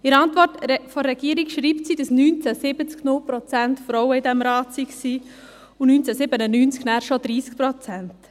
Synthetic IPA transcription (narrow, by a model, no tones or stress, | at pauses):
ɪɾɑntʋɔrtfɔːɛɡ̥iəɾikʃɾiːptsid̥əsnyːnt͡sɛsɪbət͡sknʊlpɾɔt͡sɛntfɾɔwəidɛmɾɑːtsiksiː | unyːnt͡sɛsɪbənənyːnt͡sknæːɾʃɔd̪ɾiːsk̚pɾɔt͡sɛnt